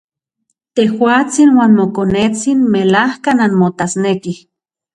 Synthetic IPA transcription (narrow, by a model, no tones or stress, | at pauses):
t̪ehwaːt͡sinwaːnmokonet͡sinmelahkananmot̪asnekih